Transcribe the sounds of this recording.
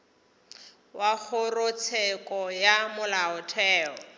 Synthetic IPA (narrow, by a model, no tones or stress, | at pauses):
wak͡xʰʊrʊt͡sʰɛkʼɔjamʊlaʊtʰɛːɔ